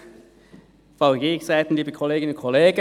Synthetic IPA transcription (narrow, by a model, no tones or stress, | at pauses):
faʊɡeːçsaɪt̪n̩liːbəkʰoleːɡɪnʊnkʰoleːɡə